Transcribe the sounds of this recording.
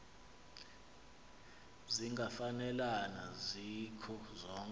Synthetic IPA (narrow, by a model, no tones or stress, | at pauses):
ziŋɡʱafanɛlanazikʰɔzɔːŋ